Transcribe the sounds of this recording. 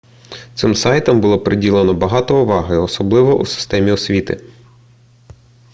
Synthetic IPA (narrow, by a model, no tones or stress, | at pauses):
t̪sɪmsɑjt̪ɐmbʊlˠɔpɾɪdʲilˠenɔbɐɦɑt̪ɔuʋɑɦɐjɔsɔblˠɪʋɔʔṵsɪ̥st̪ɛmʲiɔsʲʋʲit̪ɪ̰